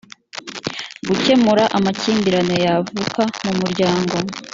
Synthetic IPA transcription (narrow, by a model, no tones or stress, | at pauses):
ɡuce̞muɾaʔamaciːmbiɾano̞javukamumuɾɟaːŋɡo̞